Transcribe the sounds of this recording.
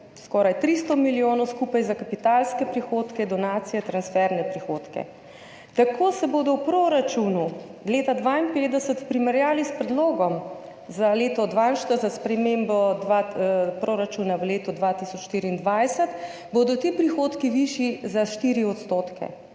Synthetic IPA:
skɔɾajt̪ɾist̪ɔmiljoːnɔwskuːpajzakapit̪alskɛpɾixoːt̪kɛd̪ɔnaːt̪sijɛt̪ɾansfɛɾnɛpɾixoːt̪kɛ̰ | t̪akʰoːsɛboːd̪ɔwpɾoɾat͡ʃunuleːt̪ad̪ʋainpeːd̪ɛsət̪pɾimɛɾjaːlispɾɛd̪loːɡɔm | zaleːt̪ɔd̪ʋanʃt̪əzaspɾɛmembɔd̪ʋapɾoɾat͡ʃuːnaʋəleːt̪ɔd̪ʋat̪isɔt͡ʃʃt̪iɾiːnd̪ʋajsət̪ | bod̪ɔt̪ipɾixoːt̪kiʋiʃizaʃt̪iɾiɔt̪st̪oːt̪kɛ̰

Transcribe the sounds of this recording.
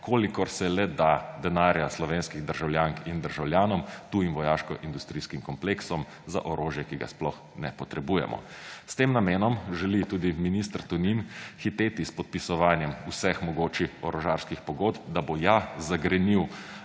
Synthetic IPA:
kʰoːlikɔɾsɛlɛd̪ad̪ɛnaːɾjaslɔʋeːnskiɣd̪əɾʒawljaːŋkind̪əɾʒawljaːnɔmt̪uːjimʋɔjaːʃkɔ̰ʔind̪ust̪ɾiːskimkɔmpleksɔm | za̰ʔɔɾʔoːʒjɛkiɡa̰splɔx | nɛpɔt̪ɾɛbuːjɛ̰mʔɔ̰ | st̪eːmnameːnɔmʒɛlit̪uːd̪iminist̪əɾt̪uninxit̪eːt̪ispɔt̪̚pisɔʋaːnjɛmusɛxmɔɡoːt͡ʃiɔɾɔʒaːɾskixpɔɡoːt̪p̚d̪abojazaɡɾɛniw

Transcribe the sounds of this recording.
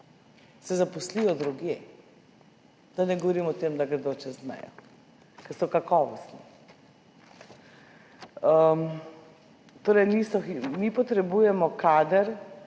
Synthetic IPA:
sɛzapɔslijɔd̪ɾuɡje | d̪anɛɡɔʋɔɾimɔt̪emd̪aɡɾɛd̪oːt͡ʃɛzmɛ̰jɔ̰ | kɛsɔkakɔːʋɔst̪ni | əm | t̪oːɾɛjnisɔimipɔt̪ɾɛbujɛmɔkaːd̪əɾ

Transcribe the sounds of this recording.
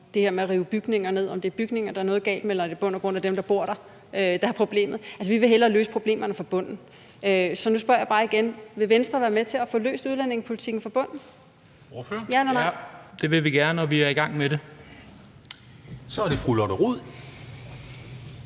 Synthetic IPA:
d̥e̝heɐmeæʁiːʊəb̥yɡ̥ne̝ŋɐne̝ð̞̰ˠɒ̽md̥e̝æɐb̥yɡ̥ne̝ŋɐd̥ɑ̈æɐnɔ̽ːð̩ˠɡɛ̰ːld̥emelɐd̥e̝b̥ɔ̽n̰ɒɡ̥ʁɔ̽n̰æd̥emd̥ɑ̈b̥o̝ɐ̰ɾ̥ɑ̈ | ʔød̥ɑɑpʰʁo̝b̥le̝̰ːmð̞̩ˠæls̬əʋiʋe̝ɦelɐːløːsə̥pʰʁo̝b̥le̝̰ːmɐnəfɒb̥ɔ̽n̰n̩ | øsɒ̽nusb̥ɶɐ̰jɑ̈b̥ɑ̈ːiɡ̥enʋe̝ʋensd̥ʁɐʋæːɐmet͡sʰe̝æfɔ̽ːlø̰ːsd̥uðˠlæn̰e̝ŋspʰo̝lit͡sʰiɡ̥n̩fɒb̥ɔ̽n̰̩ | føɐjænnɑd̥e̝ʋe̝ʋiɡ̥æɐnənɒʋiæɐiɡ̥ɑ̈ŋ̰meɾe | sɒæɐɾ̥efʁulɒɾ̥ɐʁuð̰ˠ

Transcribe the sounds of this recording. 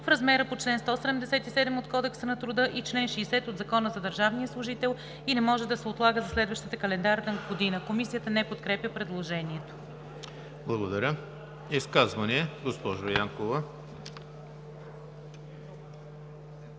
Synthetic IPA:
fɾɐzmɛɾəpot͡ʃlɛnst̪ɔsɛd̪ɛmd̪ɛsɛt̪isɛd̪ɛmot̪kɔd̪ɛksənɐt̪ɾʊd̪ɤʔit͡ʃlɛnʃɛːsɛt̪od̪zɐkɔnəzɐd̪əɾʒavnijəslˠʊʒit̪ɛlˠ | inɛmɔʒɛd̪ɐsɛot̪lˠaɡəzɐslɛd̪vəʃt̪ət̪əkɐlɛnd̪aɾt̪ənɡod̪inəkomisijət̪ənɛpot̪̚kɾɛpjəpɾɛd̪lˠoʒɛniɛt̪o̥ | blˠɐɡod̪ɐɾʲə | iskazvɐniɛɡospɔʒojaŋkovə

